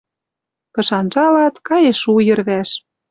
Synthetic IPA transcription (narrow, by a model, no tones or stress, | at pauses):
pɤ̆ʃɑnʒɑlɑt̪kɑjeʃujɤ̆rβæʃ